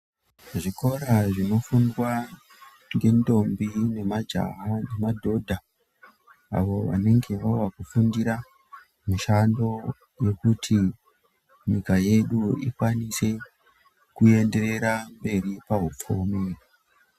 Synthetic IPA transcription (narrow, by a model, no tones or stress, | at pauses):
ʐiko̞ɾaʐino̞fundwa | ŋɡe̞ndo̞mbine̞mad͡ʒa̰ɦane̞madʱo̞dʱa | a̰ʋo̞ʋa̰ne̞ŋɡe̞ʋawakufundiɾa | muʃando̞ | je̞kutʰi | ɲikaje̞ɗuḭkwanise̞ | kue̞nde̞ɾe̞ɾambe̞ɾipaɦup͡fumi